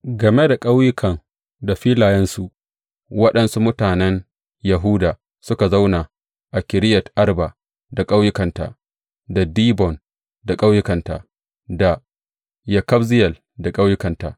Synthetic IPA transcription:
ɡɐ˨me˦da˨kʼa˦wjʊ˦kʰɐ˨ŋ | da˨ɸiː˦laː˨jɐ˦nsu˦ʔ | wɐ˦ɗɐ˦nsu˦mʊ˦taː˨nɛ˦n | jɐ˨ɦuː˦da˨ | sʊ˦ka˨za˦wna˨ | ʔa˨kʲɪ˨ɾɪ˦jɐ˨tʔa˦rba˨ | da˨kʼa˦wjʊ˦kɐ˨nta̰˨ʔ | da˨diː˦bɔ˨n | da˨kʼa˦wjʊ˦kɐ˨nta̰˨ʔ | da˨ | jɐ˨kɐ˦bzɪ˦jɐ˨l | da˨kʼa˦wjʊ˦kɐ˨nta̰˨

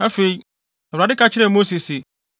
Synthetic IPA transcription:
a˦fe˨i˦ | ɛ˨ɾa˨dɪ˦kʰa˦t͡ɕʰɪ˦ɾɛ˦˨mo˦se˨sɪ˨

